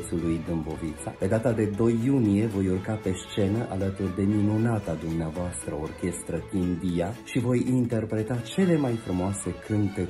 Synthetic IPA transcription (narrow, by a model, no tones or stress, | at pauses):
t̪sulujd̪ɨmbo̞vit̪sa̰pe̞d̪at̪ad̪e̞d̪o̞jːunije̞vo̞jurkape̞st͡ʃe̞nəʔalət̪urd̪e̞minunat̪ad̪umneavoast̪ɾəorkʲe̞st̪ɾət̪ind̪ijaʃivo̞jint̪e̞rpɾe̞t̪at͡ʃe̞le̞majfɾumoase̞kʰɨnt̪e